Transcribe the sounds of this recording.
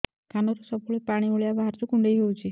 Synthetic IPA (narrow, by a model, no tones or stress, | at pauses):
kʰanɔɾusɔpuɭepaɽ̃ioɭijabaɦaɾt͡ʃukuɳɖejɦewt͡ʃʰi